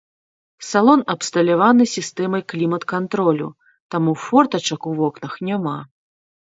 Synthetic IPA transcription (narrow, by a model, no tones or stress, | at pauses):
salˠɔnɐpst̪ɐlʲavanɨsʲist̪ɛmɐjklʲimɐt̪kant̪ɾɔlʲṵ | t̪amufɔrt̪ɐt͡ʂɐkuvɔknɐxnʲama